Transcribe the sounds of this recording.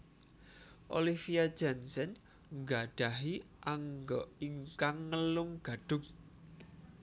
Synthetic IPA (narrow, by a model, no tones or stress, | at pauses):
ʔolifiḁd͡ʒɛnsɛn | ŋɡaɖ̥a̤ɦi | ʔaŋɡɔiŋkaŋːəlʊŋɡ̥ä̤ɖ̥ʊ̤k̚